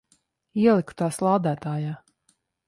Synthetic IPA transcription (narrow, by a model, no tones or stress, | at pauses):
iɛlˠikt̪aːslˠaːd̪æːt̪aːjaː